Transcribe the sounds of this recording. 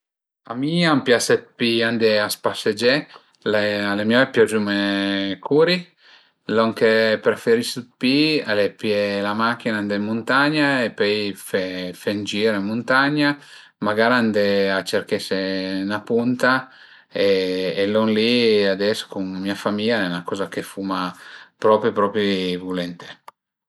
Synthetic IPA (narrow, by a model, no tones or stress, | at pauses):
amiampjaset̪̚piand̪easpased͡ʒɛ | lealemjɔɛpːjɔd͡ʒumekuɾi | lɔŋkepɾefeɾisupialepjelamak̟ːinaand̪emːunt̪aɲaepɔjfefend͡ʒiːɾoemːunt̪aɲːa | maɡaːɾand̪eat͡ʃerkesenapunt̪a | eːlɔnliad̪ɛso̥kunmːiafamiʎaɛnakɔːzakefumapɾɔpɾjipɾɔpɾivulɛnt̪e̥